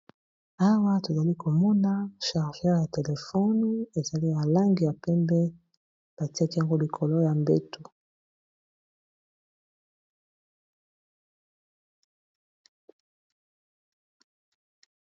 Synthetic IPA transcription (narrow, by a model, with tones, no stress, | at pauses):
a˦wa˦to˨za˨li˦ko˨mɔ˦na˦ʃa˨ʁʒɛ˦ʁja˨te˨le˨fɔ˦n˦e˨za˨li˦ja˨la˦ŋɡi˨ja˨pɛ˦mbɛ˦ | b̥a˨ti˦a˦ki˦ja˨ŋɡo˦li˨kʰo˨lo˦ja˨mbe˦tu˨